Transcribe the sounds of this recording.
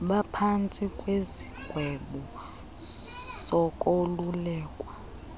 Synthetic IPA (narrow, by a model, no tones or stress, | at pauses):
ɓapʰant͡sʼikʼweziɡ̥ʱwɛɓɔ | sɔkʼolulɛːkʼwa